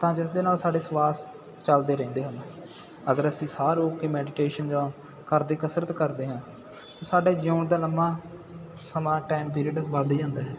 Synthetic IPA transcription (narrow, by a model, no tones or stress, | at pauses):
t̪ãːd͡ʒɪsd̪eːnaːlsaːɖeːswaːs | t͡ʃəld̪eːɾɛ̃ːnd̪eːɦənː | əɡəɾəsĩːsaːɾoːkeːmɛːɖɪʈeːʃənd͡ʒãː | kəɾd̪iːkəsɾət̪kəɾd̪eːɦãː | t̪ãːsaːɖeːd͡ʒoːɳd̪aːləmːãː | səmãːʈaːimp̬iːɾiəɖʋaːd̪iːd͡ʒãːnd̪aːɦɛː